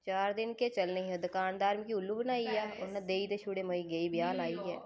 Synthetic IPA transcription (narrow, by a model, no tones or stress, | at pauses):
t͡ʃaːɾd̪ɪnket͡ʃɐlneɦɛd̪ɐkaːnd̪aːɾmɪkiʊlːubənaːijaːʊned̪eːit̪eʃʊɽemɐiɡɐibɪjaːnaːiɦɛː